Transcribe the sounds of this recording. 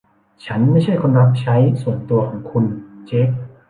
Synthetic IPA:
t͡ɕʰa˦˥nma˥˩jt͡ɕʰa˥˩jkʰoː˧nɾa˦˥p̚t͡ɕʰa˦˥jsu˨˩ənt̪u˧ɐkʰɔː˩˦ŋkʰu˧nt͡ɕe˦˥ʔ

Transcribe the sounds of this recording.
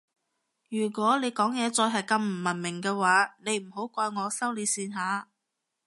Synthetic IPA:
jyː˨˩kʷɔː˨˥ne˨˧jkɔː˨˥ŋjɛː˨˧t͡sɔː˧jɦɐ˨jkɐ˧mm̩˨˩mɐ˨˩nmɪ˨˩ŋkɛː˧waː˨˥ne˨˧jm̩˨˩ɦo˨˥wkʷɔː˧jŋɔː˨˧sɐ˥wliː˨˧siː˧nɦaː˨˧

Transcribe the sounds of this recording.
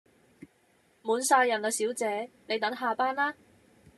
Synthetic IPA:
muː˨˧nsaː˧jɐ˨˩nɐː˨˧siː˨˥wt͡sɛː˨˥ne˨˧jt̪ɐ˨˥ŋɦaː˨˧paː˥nlaː˥

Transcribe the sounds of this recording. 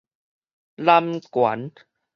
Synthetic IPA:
la˧mkwa˨˦n

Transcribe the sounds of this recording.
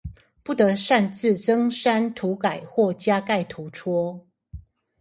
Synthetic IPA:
pu˥˩t̪ə˨˦ʂa˥˧nt͡sɹ̩˥˨t͡sə˦ŋʂa˥˦nt̪ʰu˨˦ka˨˩ɪxwɔ˥˩t͡ɕja˦ka˥˨ɪt̪ʰu˨˦ʈ͡ʂʰɔ˦˥

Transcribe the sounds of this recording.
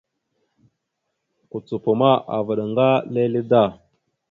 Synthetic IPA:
ku˨t͡su˨pu˨ma˦ʔa̰˨va˨ɗa˨ŋɡa˦le˦li˦da˦˨

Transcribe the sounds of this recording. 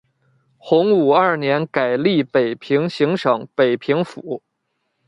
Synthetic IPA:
xʊ˧˥ŋu˨˩ɐ˞˥˩njɛ˧˥nka˨˩ɪli˥˩pe˨˩ɪpʰi˧˥ŋɕi˧˥ŋʂɤ˨˩˦ŋpe˨˩ɪpʰi˧˥ŋfṵ˨˩˦

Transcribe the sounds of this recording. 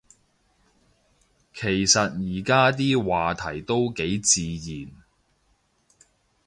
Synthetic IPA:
kʰe˨˩jsɐ˨t̚jiː˨˩kaː˥t̪̬iː˥waː˨t̪ʰɐ˨˩jt̪o˥wke˨˥jt͡siː˨jiː˨˩n

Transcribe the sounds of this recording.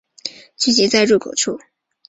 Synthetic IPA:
t͡ɕy˥˩t͡ɕi˧˥t͡sa˥˧ɪɻu˥˩kʰo˨˩ʊʈ͡ʂʰu˥˩

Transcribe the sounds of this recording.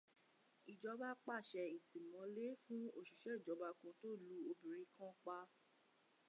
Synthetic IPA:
i˨d͡ʒɔ˧˦ba˦k͡pa˦˨ʃɛ˧i˨tĩ˨mɔ̃˨˦le˦fũ˦o˦˨ʃu˨ʃɛ˨˦i˦˨d͡ʒɔ˨˧ba˧kũ˧to˦lu˨˦o˧bĩ˨ɾi˨˦kã˦k͡pa˧

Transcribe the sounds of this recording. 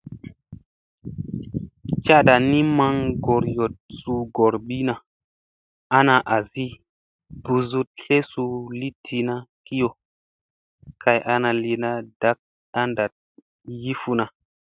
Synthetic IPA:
t͡ʃa˦ɗa˨ni˦ma˦ŋɡo˨ɾjo˨t̚su˧ɡo˨ɾɓi˦na˨ | a˦na˧ʔa˨zi˦ | b̥u˨zu˦t̚ɬe˦su˧li˦tʰi˨na˦ki˦jo˨ | kʰa˧jʔa˦na˧li˨na˦d̥a˦k̚ | a˦nda˨t̚ | ji˦fu˦na˨

